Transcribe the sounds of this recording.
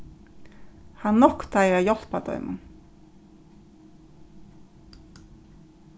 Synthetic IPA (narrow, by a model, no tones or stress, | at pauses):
hanːɔhkt̪ajɾajɔl̥pat̪œ̰ʏmʊ̰n